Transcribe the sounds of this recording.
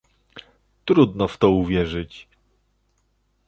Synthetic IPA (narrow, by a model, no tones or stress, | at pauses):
t̪ɾud̪nɔft̪ɔuvʲjɛʐɘt͡ɕ